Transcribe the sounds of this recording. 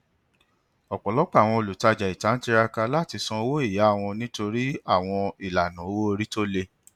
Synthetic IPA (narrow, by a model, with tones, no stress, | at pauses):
ɔ˨k͡pɔ˨lɔ˨˦k͡pa˦˨w̃ɔ̃˧o˨lu˨ta˧d͡ʒa˨i˨ta˨˦n̩˦ti˧ɾa˧ka˧la˦˨ti˧sɔ̃˧o˧wo˦i˦˨ja˨˦˨w̃ɔ̃˧nĩ˦to˧ɾi˦a˦˨w̃ɔ̃˧i˨la˨nã˨o˦wo˦o˧ɾi˦to˦le˧